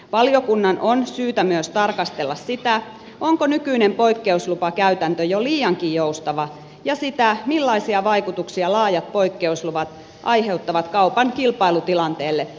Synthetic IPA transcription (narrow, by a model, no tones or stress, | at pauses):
ʋɑljokunːɑnʔonsyːt̪æmyøst̪ɑrkɑst̪elːɑssit̪æ | ʔoŋkonykyinempo̞ikːe̞uslupɑkæyt̪ænt̪øjoliːjɑŋkiːjjoust̪ɑʋɑ | jɑsit̪æmilːɑisiɑʋɑjkut̪uksiɑlɑːjɑt̪̚po̞ikːe̞usluʋɑt̪ | ʔɑjɦe̞ut̪ːɑʋɑt̪kɑupɑŋkilpɑilut̪ilɑnt̪eːlːe